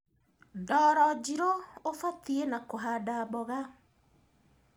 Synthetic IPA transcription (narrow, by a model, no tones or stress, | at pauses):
dɔɾɔd͡ʒiɾoofat̪ienakoɦadabɔɣa